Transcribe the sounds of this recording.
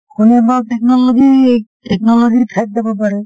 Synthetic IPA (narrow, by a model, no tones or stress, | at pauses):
kʰunebaʈeknɔloɡieʈeknɔloɡiɾt̪ʰɛk̚d̪ebap̬aɾe